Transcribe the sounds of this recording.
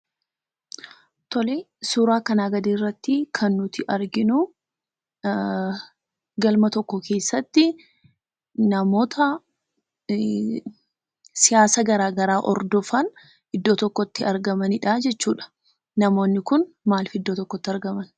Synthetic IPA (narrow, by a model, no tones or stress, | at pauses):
t̪ʰɔle | suːɾaːkɐnaːɡɐd̪iːrːɐt̪ːɪkʰɐnːʊt̪ɪʔɐɾɡɪnʊ | ɡɐlmɐt̪ɔkːɔkʰe̞ːsːɐt̪ːɪ | nɐmo̞ːt̪ʰɐ | sɪjaːsɐɡɐɾaːɡɐɾaːʔɔ̰ɾd̪ɔfɐn | ʔɪd̪ːoːt̪ɔkːɔt̪ːɪɐɾɡɐmɐnɪᶑad͡ʒɛt͡ʃːuːᶑɐ̥ | nɐmo̞ːnːɪkʊn | maːlfɪd̪ːoːt̪ɔkːɔt̪ːɪɐɾɡɐmɐn